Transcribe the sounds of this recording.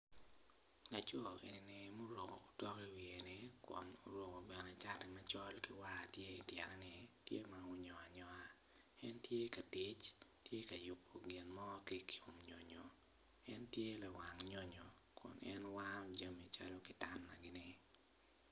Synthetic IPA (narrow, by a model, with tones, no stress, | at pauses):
la˨t͡ʃɔ˦˨ʔe˨nɪ˨nɛ˨mo˦ɾo˨ŋo̰ː˨tɔ˦ki˦wi˨e˨nɪ˦kʊ̰˨no˨ɾwo˨ŋo˨bɛ˨nɛ˨t͡ʃa˦tɪ˨mat͡ʃɔ˦lkɪ˦wa˦˨tje˦i˨djɛ̰˨ɾɛ˦nɪ˨tjḛ˦ma˨ʊ˦ɲɔ˨a˨ɲɔ˨a˦ | ɛ˦ntje˦ka˨tɪ˦t͡ʃtje˦ka˨jʊ˨pːo˨ɡɪ˨nmɔ˦ki˦ko˨mɲo˨ɲo˨ | ɛ˦ntje˦la˨wa˨ŋɲo˦ɲo˨ | kʊ̰˨nɛ̰˦nwamd͡ʒa˦mi˨t͡ʃa̰˦lo˦kɪ˨ta˦nːa˨ɡɪ˦nɪ˦